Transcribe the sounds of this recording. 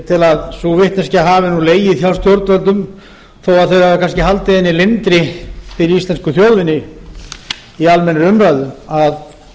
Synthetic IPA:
t̪ʰɪlaðsuvɪht̪nɛnscɪaɦaːvɪnuleːjɪθjaw̪st̪jowɾt̪vœlt̪ʏm | θoːwaðθœɥjaðkʰanscɪɦalt̪ɪðɛnːɪlɪnt̪ɾɪfɪɾɪɾist̪lɛnskʏθjowðvɪnːɪ | ialmɛnːɾʏmɾaɥðʏað

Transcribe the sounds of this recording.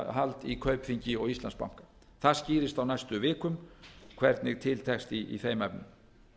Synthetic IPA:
ɦalt̪ikʰœɥpfiɲcɪɔɣist̪lanspa̰w̥kḁ | θaðsciːɾɪst̪awnajst̪ʏvɪːkʏmkʰvɛɾt̪nɪɣt̪ʰɪlt̪ʰɛkst̪iḭθeːjmaɛpnʏm

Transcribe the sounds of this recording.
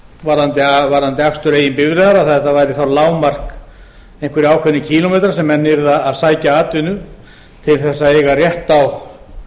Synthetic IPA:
vaɾðant̪ɪavaɾðant̪ɪakst̪ʏɾeːjɪnpɪvɾɪðaɾaθaðɛht̪avaːjɾɪθawlaːwmar̥k | ejhŋkvɪɾɪaːwkʰvɛnɪcʰiːlomejt̪ɾasɛmɛnːɪɾðaaðsaːjcaaːt̪ʏnʏ | t̪ʰɪlθɛsːaejɣarjɛht̪aw

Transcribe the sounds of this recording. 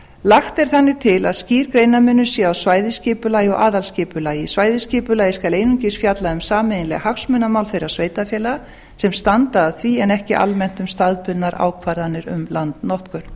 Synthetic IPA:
laxt̪ɛɾ̥θanːɪt̪ʰɪla̰ðsciːɾkɾeːjnamʏnːʏsɛːawsvaːjðɪscɪːpʏlaːjɔ̰ʔaːðalscɪːpʏlaːjɪsvaːjðɪscɪːpʏlaːjɪskalejnʏɲcɪsfjat̪laʏmsaːmeɪnlɛ̰ɣhaksmʏnamaːwlθejɾasveːjt̪afjɛːla | sɛmst̪ant̪aːθviɛnɛhcɪʔa̰lmɛn̥t̪ʏmst̪aðpʏnnːaɾʔa̰ːwkʰvaɾðanːɪɾʏ̰mlant̪nɔht̪kʏɾ̥

